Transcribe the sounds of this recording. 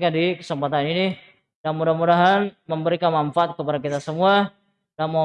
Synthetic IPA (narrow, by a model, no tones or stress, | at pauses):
kandikə̥səmpat̪anini | d̥amudamudaɦanməmbəɾikanmanfaat̪̚kəpadakit̪asəmua | damo